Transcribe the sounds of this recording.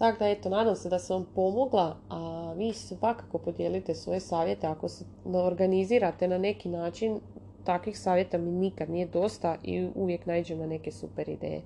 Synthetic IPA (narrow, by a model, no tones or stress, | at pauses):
t̪akd̪ae̞t̪onaːd̪amse̞d̪aseʋampo̞mo̞ɡlˠaaʋiːsʋakḁko̞po̞d̪je̞lit̪e̞sʋo̞̰je̞saːʋje̞t̪e̞ako̞se | neoɾɡaniziːɾat̪e̞nane̞kinaːt͡ʃin | t̪akʋixsaːʋje̞t̪aminikad̪nije̞d̪o̞st̪aʔḭuʋje̞knaid͡ʑemnane̞ke̞supe̞ɾḭd̪ḛːjḛ